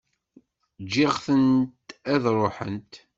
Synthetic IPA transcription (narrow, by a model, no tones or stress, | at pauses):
d͡ʒːɪʁθənt̪æðɾˤoħə̰nt̪